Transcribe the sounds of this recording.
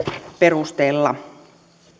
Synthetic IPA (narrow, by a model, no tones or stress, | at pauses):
pe̞rust̪eːlːɑ